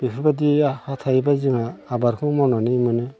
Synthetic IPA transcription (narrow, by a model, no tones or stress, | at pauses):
b̥ikʰibadihat̪ʰajbaziŋaːbaɾkʰɯŋmɔnɔnimɯnɯ